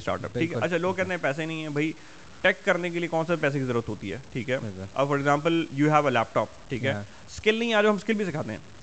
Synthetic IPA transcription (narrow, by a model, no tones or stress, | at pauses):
sʈa̰ːɾʈə̰pʈʰiːkɦɛɐ̰tːt͡ʃʰaloːɡ̚kːɛːt̪ẽɦɛ̃pɛːs̬enɐ̃ɦĩɦɛ̃bʱɐi | ʈɛːkːɐɾnek̬eliekɔːnsepɛːs̬ekizɐɾuːɾət̪ɦoːt̪iɦɛ̰ːʈʰiːkɦɛːɐ̰bfɔːɾeɡzãːmpəljuːɦɛːʋəlɛːp̚ʈɔːp̚ʈʰiːkɦɛː | skɪlnɐĩaːd͡ʒoɦɐmskɪlbʱis̬ɪkʰaːt̪eɦɛ̰̃ː